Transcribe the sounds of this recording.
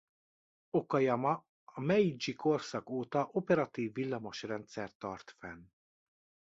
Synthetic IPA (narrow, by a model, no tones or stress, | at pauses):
okɒjɒmɒ | ɒmɛid͡ʒiko̞rsɒkoːt̪ɒʔopɛɾɒt̪iːvːilːɒmo̞ʃrɛnt̪sɛrt̪ːɒrt̪fɛn